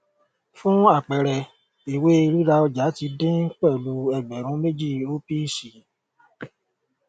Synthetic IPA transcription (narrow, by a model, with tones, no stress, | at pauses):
fũ˦a˦˨k͡pɛ˨ɾɛ˧ | i˨we˦i˧ɾi˦ɾa˧ɔ˧d͡ʒa˨˦ti˧dẽ˦k͡pɛ˦˨lu˧˦ɛ˧˨ɡ͡bɛ˨ɾ̃ũ˨˦me˦d͡ʒi˦˨o˦pi˦˨si˨